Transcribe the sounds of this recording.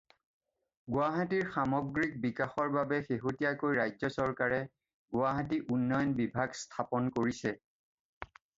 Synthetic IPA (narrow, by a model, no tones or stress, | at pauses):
ɡʊaɦatiɹxamɔɡɹik̚bikaxɔɹbabɛxeɦutijakojɹajzɔsɔɹkaɹɛ | ɡʊaɦat̬iʔunːɔjɔnbibʱaɡstʰapɔnkoɹisɛ